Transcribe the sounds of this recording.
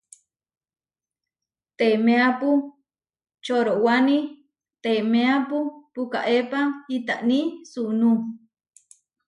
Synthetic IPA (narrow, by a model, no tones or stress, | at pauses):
t̪emeapu | t͡ʃoɾowani | t̪emeapupuka̰ʔepait̪aʔnisunu